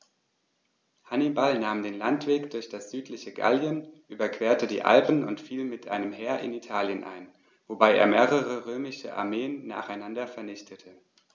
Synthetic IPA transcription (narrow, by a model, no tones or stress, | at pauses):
hanibalnaːmdeːnlantv̥eːkd̥ʊɐçd̥asz̥yːtʰlɪçəɡa̰ljənʔyːbɐkv̥eːɐtədḭːʔa̰lpn̩ʊntfiːlmɪtʔaɪnəmɦɛːɐʔɪ̰nitʰaːljənʔa̰ɪn | vobaɪʔḛːɐmeːʁəʁəʁøːmɪʃə̰ʔa̰ɐmeːənːa̰ːχaɪnandɐfɛɐnɪçtʰətʰə